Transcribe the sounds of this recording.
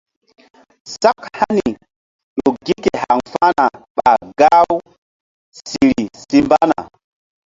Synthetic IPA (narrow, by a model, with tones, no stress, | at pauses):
sa˦kha˦ni˨ | ɗo˨ɡi˦ke˨ha˨ŋfa˦na˨ɓa˨ɡa˦w | si˨ɾi˨si˦mba˦na̰˨